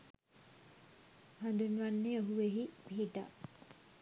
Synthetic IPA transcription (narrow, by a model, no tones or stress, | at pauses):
hand̪unʋanːeoɦuʋeɦibʱiːʈa̰